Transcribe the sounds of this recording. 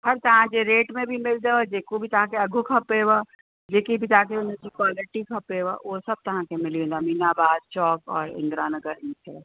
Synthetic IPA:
hʰɐɾt̪ɐɦãd͡ʒeɾeːʈmẽbʱimɪld̪ead͡ʒeːkobʱit̪ɐɦãkeɐɡʱukʰɐpeːwa | d͡ʒeːkibʱit̪aɦãk̬eʊnẽkikwaːlɪʈikʰɐpeːwaʋoːsɐb̚t̪ɐɦãkemɪliẽd̪amiːnaːbaːd̪̚t͡ʃɔːkɔ̰ːɾɪ̰̃nd̪ɾaːnɐɡəɾɦiːtʰɛ

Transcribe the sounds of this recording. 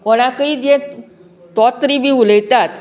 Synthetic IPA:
ɔɽ̃akəiːd͡ʑ̪e | t̪ɔt̪ɾibʱiːuləjt̪at̪

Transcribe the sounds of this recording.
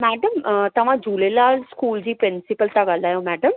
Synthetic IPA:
mɛːɖəmt̪ɐʋ̤ãd͡ʑuːlelalskuːld͡ʑiːpɾɪnsipəlt̪aɡalaːjomɛːɖəm

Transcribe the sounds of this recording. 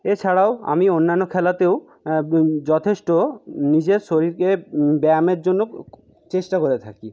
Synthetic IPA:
et͡ɕʰaɽaoa̰mionːanːokʰɛlat̪ew | d͡ʑɔt̪ʰeʃʈonid͡ʑeɾʃoɾiɾkebɛmeɾd͡ʑonːo | t͡ɕeʃʈakoɾet̪ʰaki

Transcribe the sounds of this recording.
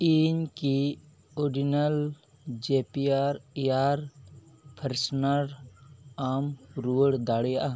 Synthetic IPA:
iːɲki | ɔɾɖinəl | d͡ʒeːpiaːɾijaːɾ | pʰəɾsnəɾ | aːmɾuːəɽd̪aːɽijaa

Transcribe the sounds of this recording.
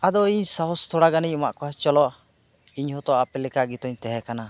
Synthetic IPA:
ad̪ɔiɲsaɦɔst̪ʰɔɽaɡaniɲɔma̰ʔkɔɦat͡ʃɔlɔʔ | iɲhɔt̪ɔapɛlɛkaɡit̪ɔɲt̪ɛɦɛkana

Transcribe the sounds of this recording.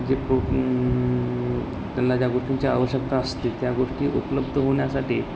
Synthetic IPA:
d͡ʑepɾo | t̪janlad͡ʑjaɡoʂʈiɲt͡ɕia̰ʋəɕək̚t̪aəst̪it̪jaɡoʂʈiːʔupləbd̪ʱəɦoɳjasaʈḭː

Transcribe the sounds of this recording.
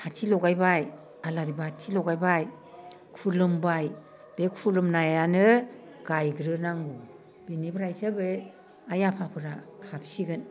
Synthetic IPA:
hatʰilɔɡajbaj | alaɾibatʰilɔɡajbaj | kʰulɯmbaj | b̥ekʰulɯmnajanɯ | ɡ̥ajɡɾɯnaŋɡu | benibɾajsɯbe | ajapʰapʰɯɾahap̚siɡɯn

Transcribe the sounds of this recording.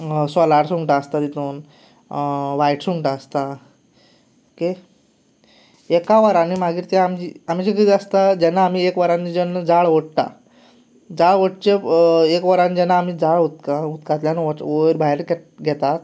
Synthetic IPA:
sɔlaɾsuɳʈaəst̪at̪it̪oːn | ʋajʈsuŋʈaəst̪a | ke | ekaʋaɾanimaɡiːɾt̪jaamd͡ʑiam̤it͡ɕek̬əd̪iəst̪ad͡ʑɛnːaːm̤iekʋaɾãnid͡ʑənːəd͡zaɭʋəɽt̪a̰ | d͡zaɭʋəʈ̚t͡ɕeekʋəɾand͡ʑɛnːaːm̤iːd͡zaɭut̪kaut̪kat̪ljanoɾbʱaɦeɾɡɛɡʱɛt̪at̪

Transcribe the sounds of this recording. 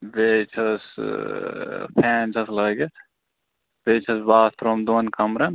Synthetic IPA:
beːt͡ʃʰɐs | pʰɛːnt͡ʃʰɐsləːɡe | beːt͡ʃʰɐsbaːst̪ɾoːmd̪oːnkɐmɾɐn

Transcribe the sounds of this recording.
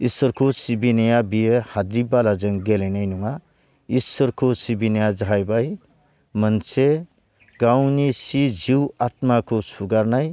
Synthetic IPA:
iswʌɾkʰosibinijabijehad̪ɾibalad͡zʌŋɡelenajnuŋa | isʌɾkʰosibinəjad͡zajbaj | mʌnt͡sʰe | ɡawnisid͡ziwat̪̚makosuɡaɾnaj

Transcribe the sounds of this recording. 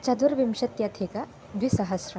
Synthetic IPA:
t͡ʃɐd̪uɾʋimɕɐt̪jat̪ʰeka | d̪ʋisɐɦɐsɾɐ

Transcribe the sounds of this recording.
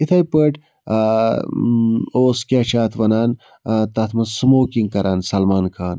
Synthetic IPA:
it̪ʰɐjpəʈ | oːskʲaːt͡ʃʰaːt̪ʰʋɐnaːn | t̪ɐt̪ʰmɐsmoːkiŋ̚kɐɾʔaːnsɐlmaːnkʰaːn

